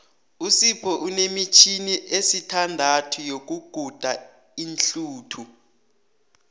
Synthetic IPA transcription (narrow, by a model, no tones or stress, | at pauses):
usipʰɔʔunemit͡ʃʰiniʔesitʰandʱatʰujok̬uɡ̥ʱud̥ʱa | inɬuːtʰu